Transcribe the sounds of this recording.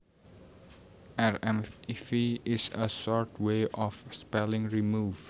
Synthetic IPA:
ɛɹɛ̃mfiɪsə̰sɔɹtʰweʔɔfspɛlɪ̃ŋɹimuːv

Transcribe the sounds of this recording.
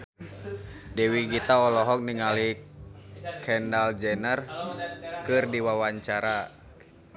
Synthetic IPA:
dɛwiɡit̪aɔlɔɦɔk̚niŋali | kʰɛndald͡ʒɛnər | kɨrdiwawaɲt͡ʃaɾa

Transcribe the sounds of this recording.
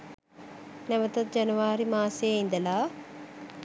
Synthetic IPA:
nɛʋɐt̪ɐt̪̚d͡ʒɐnɐʋaːɾimaːseːind̪ɐlaː

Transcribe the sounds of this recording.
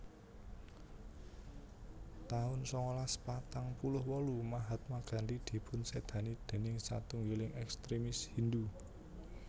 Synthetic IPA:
t̪aʊnsɔŋolaspat̪aŋpulʊhwɔlumaɦat̪̚maɡ̥ä̤nd̪id̪̥i̤pʰʊnsed̪̥ä̤nid̪̥e̤nɪŋsa̰t̪uŋɡilɪŋʔɛkst̪ɾimɪshind̪u

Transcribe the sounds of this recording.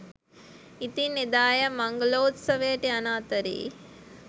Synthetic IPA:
it̪inid̪aːjɐmɐŋɡloːt̪sɐʋejəʈiɐnaːt̪ɐɾḭː

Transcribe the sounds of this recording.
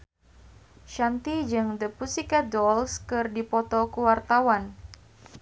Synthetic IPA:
ʃant̪id͡ʒɨŋd̪əpusikadɔlskɨrdipɔt̪ɔkuwart̪awan

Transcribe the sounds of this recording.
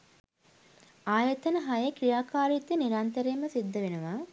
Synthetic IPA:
aːjɐt̪ɐnəɦajekɾijaːkaːɾit̪ːəniɾant̪əɾeːməsid̪ːɐʋenuʋaː

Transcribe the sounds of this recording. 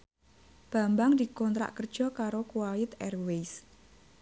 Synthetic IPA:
b̥a̤mbaŋd̪ikɔnt̪ɾa̰ʔkərd̥ʒ̥ɔ̤kaɾokuwalɪt̪ɛrwejs

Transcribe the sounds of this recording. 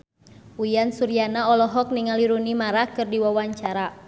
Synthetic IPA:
ujansuɾianaɔlɔɦɔk̚niŋaliɾunimaɾakɨrdiwawaɲt͡ʃaɾa

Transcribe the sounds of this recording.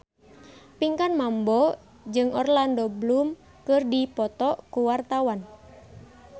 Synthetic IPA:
piŋkanmambɔ | d͡ʒɨŋɔ̰rlandɔblum | kɨrdipɔt̪ɔkuwart̪awan

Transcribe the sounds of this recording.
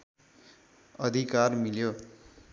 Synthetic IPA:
ʌd̪ʱikarmiljo

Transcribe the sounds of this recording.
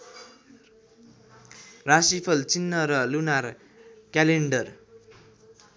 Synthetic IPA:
rasipʰʌlt͡sinːʌɾʌlunar | kaleɳɖʌr

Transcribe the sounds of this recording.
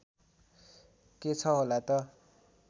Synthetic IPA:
ket͡sʰʌɦolat̪ʌ

